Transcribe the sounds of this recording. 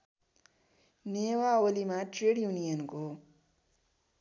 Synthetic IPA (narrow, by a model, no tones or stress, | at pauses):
neːwaːwɐlimãʈɾeːɖjuːnijənko